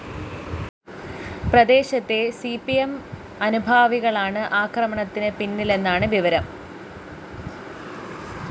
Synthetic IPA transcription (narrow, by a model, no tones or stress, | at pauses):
prɐd̪e̞ːɕɐt̪ːe̞sipːijem | ɐnubʱaːʋiɣɐɭaːɳɨʔaːkrɐmɐɳɐt̪ːinɨpinːile̞nːaːɳɨʋiʋɐɾɐm